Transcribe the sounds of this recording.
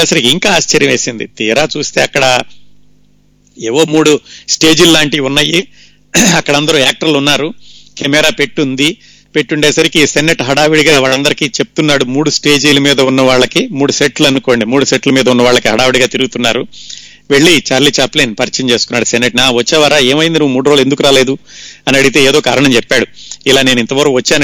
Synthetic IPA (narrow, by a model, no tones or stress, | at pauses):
eːsɐɾikiiŋkaːaːst͡ʃɐɾjɐmʋeːsind̪ḭt̪iːɾaːt͡ʃuːst̪e̞ːɐkːɐɽɐ | eːʋoːmuːɽusʈe̞ːd͡ʒillaːɳʈiunːɐjːi | ɐkːɐɽɐnd̪ɐɾuaːk̚ʈɐɾlunːaːɾukʰemɛɾaːpe̞ʈːund̪i | pe̞ʈːuɳʈeːsɐɾikisenːeʈɦɐɽaːʋiɽiɡaːʋaːɭɐnd̪ɐɾikit͡ʃep̚u̥t̪unːaːɽumuːɽusʈe̞ːd͡ʒiːlɐmiːd̪ɐunːɐʋaːɭːɐkimuːɽuseʈluɐnuko̞ːɳɖimuːɽuseʈlɐmiːd̪ɐunːɐʋaːɭɐkiɦɐɽaːʋiɽiɡaːt̪iɾuɡut̪unːaːɾu | ʋe̞ɭːit͡ʃaːɾliːt͡ʃaːpleːnpɐɾit͡ʃɐɲt͡ʃe̞ːsu̥kunːaːɽusenːeʈnaːʋɐt͡ʃːɛːʋaːɾaːe̞ːmɐjind̪inuʋːmuːɽuɾoːle̞nd̪uk̬ːɾaːle̞ːd̪uɐnɐɽit̪e̞ːeːd̪o̞ːkaːɾɐɳɐmt͡ʃɛpːaːɽuilaːne̞ːnint̪ɐʋɐɾʋɐt͡ʃːaːn